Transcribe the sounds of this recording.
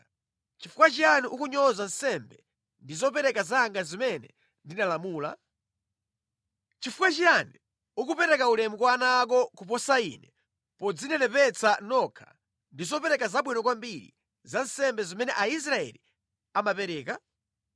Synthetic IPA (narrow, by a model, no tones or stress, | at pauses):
t͡ʃifukwat͡ʃianiʔukuɲɔzan̩sɛmbɛ | ndizɔpɛɾɛkazaːŋɡazimɛnɛ̰ | ndinalamuːla̰ | t͡ʃifukwat͡ʃiani | ukupɛɾɛkaulɛmukwanaːk̬ɔkup̬ɔsaḭːnɛ | pɔd͡zinɛnɛpɛt͡sʰanɔkʰḁ̰ | ndizɔpɛɾɛkazaɓwinɔk̬wambiɾḭ | zansɛmbɛzɔmɛnɛʔais̬ɾaɛ̰li | amapɛɾɛːka